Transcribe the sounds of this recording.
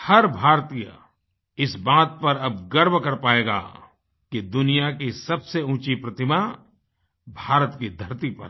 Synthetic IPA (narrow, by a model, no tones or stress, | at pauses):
hɐɾbʱaːɾt̪ijə̰ | ɪsbaːt̪̚pɐɾɐbɡɐɾbʱkɐɾpaːeːɡa̰ː | kid̪ʊnijakisɐbseũːt͡ʃipɾɐt̪ɪma | bʱaːɾət̪kid̪ʱɐɾt̪ipɐ̰ɾ